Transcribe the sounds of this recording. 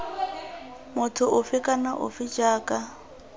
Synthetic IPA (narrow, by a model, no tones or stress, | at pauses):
mʊtʰʊʔʊfɪkʼanaʔʊ̰fɪd͡ʒaːkʼa